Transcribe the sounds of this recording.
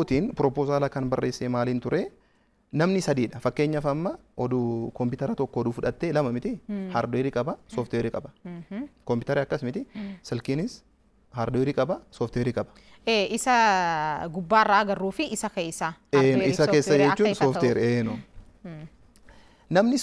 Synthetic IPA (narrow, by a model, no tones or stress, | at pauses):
t̪iːnpɾɔpoːzaːlɐkɐnbɐrːʔe̞ːsːeːmaːliːnt̪ʊɾeː | nɐmnɪsɐd̪iːᶑɐfɐkːe̞ːɲːɐfɐmːɐ | ɔd̪ukɔmpɪt̪ɐɾɐt̪ɔkːɔːd̪uːfʊᶑɐt̪ːeːlɐmɐmɪt̪ɪhɐɾd̪ɔɪɾɪkʼɐbɐsɔːft̪eːɾɪkʼɐbɐ̥ | kɔmpɪt̪ɐɾiɐkːɐsmɪt̪ɪsɛlkiːnɪs | hɐɾd̪ɔɪɾɪkʼɐbɐsɔft̪eːɾɪkʼɐbɐ̥ | eːʔɪsɐ | ɡʊbːaːrːaːɡɐrːuːfɪɪsɐkeːsaeːnɪsɐkeːsːɐd͡ʒɛt͡ʃːuːnsɔːft̪eːɾeːno | nɐmnɪ